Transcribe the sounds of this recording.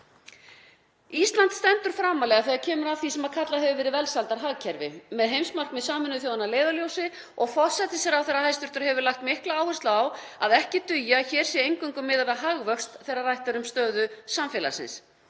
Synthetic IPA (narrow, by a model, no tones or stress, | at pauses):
ist̪lant̪st̪ɛnt̪ʏɾ̥fɾaːmalɛɣaθɛɣaɾcʰɛːmʏɾavθisɛmaðkʰat̪laɦɛvʏvɛːɾɪvɛlsalt̪aɾɦaɣcʰɛɾvɪ̰mɛðɦejmsmar̥kmɪðsaːmʏnʏθjowðanaleːjðaljowsɪ | ɔɣfɔ̥sɛt̪ɪsɛɾawθɛrːahajst̪ʏɾt̪ʏɾ̥hɛvʏɾlaxkt̪mɪhklaaːwhʏst̪laːw | aðɛhcɪt̪ʏjaçɛːɾ̥sjɛejŋkʏŋkʏmːɪːðaɾaɦaɣvœkst̪θɛjrːarajht̪aɾʏmst̪œːðʏsamfɛːla̰sɪ̰ns